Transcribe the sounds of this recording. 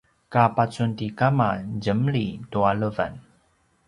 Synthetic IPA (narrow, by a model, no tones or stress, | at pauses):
kapat͡suntikamad͡ʑəmɭituaɭəva̰n